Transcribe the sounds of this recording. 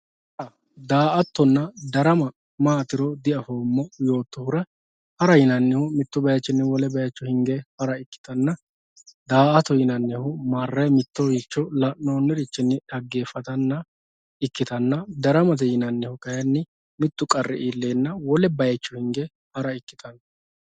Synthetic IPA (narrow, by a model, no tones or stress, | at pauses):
ɐ | d̪aːʔɐt̪ːɔnːɐd̪ɐɾɐmɐ | maːt̪ɪɾɔd̪ɪɐhoːmːɔjo̞ːt̪ːɔhʊɾɐ | hɐɾɐjɪnɐnːɛhʊmɪt̪ːʊbɐjɐt͡ʃːɪnːɛwɔlɛbɐjɐt͡ʃːʊhɪŋɡehɐɾɐɪkːɪ̥t̪ɐnːɐ | d̪aːɐt̪ɔjɪnɐnːɛhʊmarːɐmɪt̪ːɔwit͡ʃːɔlɐʔnoːnːɪɾɪt͡ʃːɪnːɪᶑɐɡːeːfːɐt̪ɐnːɐ | ɪkːɪt̪ɐnːɐd̪ɐɾɐmɐt̪ɛjɪnɐnːɛhʊkɐjɐnːɪ | mɪt̪ːʊkʼɐrːɛ̰ʔiːlːe̞ːnːɐwɔlɛbɐjɐt͡ʃːʊhɪŋɡe | hɐɾɐɪkːɪ̥t̪ɐnːɐ